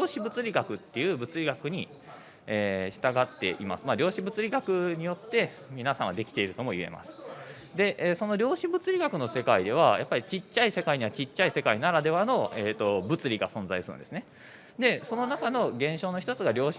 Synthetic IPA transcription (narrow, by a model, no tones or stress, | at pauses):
oːɕibɯ̟t͡sɨɾʲiɡakɯ̟t̪ːe̞jɯ̟ːbɯ̟t͡sɨɾʲiɡakɯ̟ɲ̟i | eːɕi̥t̪aɡat̪ːe̞̰ʔḭma̰sɨ̥maɾʲo̞ːɕibɯt͡sɨɾʲiɡakɯ̟ɲ̟ijo̞t̪ːe̞ | mʲinasãɰ̃ad̪e̞kʲi̥t̪e̞iɾɯ̟t̪o̞mo̞ie̞̰ma̰sɨ̥ | d̪e̞ʔːso̞no̞ɾʲo̞ːɕibɯ̟t͡sɨɾʲiɡakɯ̟no̞se̞kaid̪e̞β̞ajapːaɾʲit͡ɕit͡ɕːaise̞kaiɲ̟iβat͡ɕit͡ɕːaise̞kainaɾad̪e̞βano̞eːt̪ːo̞bɯ̟t͡sɨɾʲiɡa̰sõ̞nd͡zaisɨɾɯ̰nd̪e̞sɨne | d̪e̞so̞no̞nakano̞ɡẽ̞ɰ̃ɕo̞ːno̞çi̥t̪o̞t͡sɨɡaɾʲo̞ːɕ